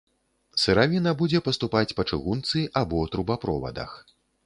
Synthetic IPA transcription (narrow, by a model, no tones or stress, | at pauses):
sɨɾavʲinɐbud͡zʲɛpɐst̪upat͡sʲpɐt͡ʂɨɣunt̪sɨʔabɔwt̪ɾubapɾɔ̰vɐ̰d̪ɐ̰x